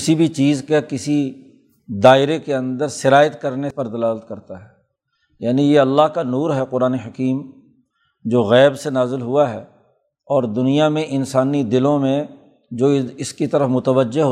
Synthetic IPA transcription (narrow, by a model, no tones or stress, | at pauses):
ksibʱit͡ʃiːzkekɪsi | d̪aːɪɾekeɐ̃nd̪əɾsɪɾaːjət̪kɐɾnepɐɾd̪ɐlaːlət̪̚kɐɾt̪aɦɛː | jaːnijeɐlːaɦkanuːɾɦɛqʊɾaːneɦɐkiːm | d͡ʒoːɣɛːbsenaːzɪlɦʊaɦɛː | ɔːɾd̪ʊnijamẽʔɪnsaːnid̪ɪlõmẽ | d͡ʒoːɪskit̪ɐɾəfmʊt̪əʋəd͡ʒːeɦ